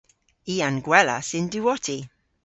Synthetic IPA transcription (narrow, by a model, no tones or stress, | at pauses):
iːanɡwɛla̰sɪnduɔtʰi